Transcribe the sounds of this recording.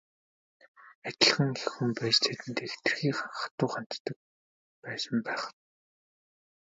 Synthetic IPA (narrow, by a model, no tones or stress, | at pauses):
æt͡ɕʲɪ̆ɮ̆ʁə̆ŋxexumpæːt͡ɕt͡s̪ʰet̪ɘ̆nt̪ext̪ɘ̆rxiːχaɴχaət̪ʊːχan̥t̪ːə̆k̚ | pæːsə̆mpæːχə̥̆